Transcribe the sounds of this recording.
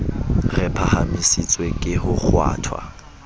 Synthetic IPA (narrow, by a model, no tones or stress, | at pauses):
rɛpʰahamisit͡sʼwekʼɪhʊk͡xʰwa̰ːtʰwa̰